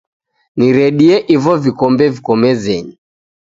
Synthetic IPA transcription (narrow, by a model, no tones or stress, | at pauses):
niɾɛɗiɛʔivɔvikɔmbɛvikɔmɛzɛɲi